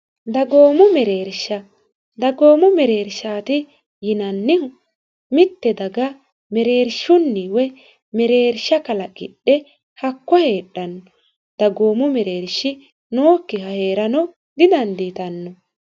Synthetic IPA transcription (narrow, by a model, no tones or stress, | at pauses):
d̪ɐɡo̞ːmʊmɛɾeːɾʃːɐ | d̪ɐɡo̞ːmʊmɛɾeːɾʃaːt̪ɪ | jɪnɐnːɪ | mɪt̪ːɛd̪ɐɡɐ | mɛɾe̞ːɾʃʊnːiwɛ | mɛɾeːɾʃːɐkɐlɐɡɪɗːɛ | hɐkːɔhe̞ːɗːɐnːɔ | d̪̥ɐɡo̞ːmʊmɛɾeːɾʃːɪ | noːkːɪhɐhe̞ːɾɐnɔ | ɡ̪ɪd̪ɐnd̪it̪ɐnːɔ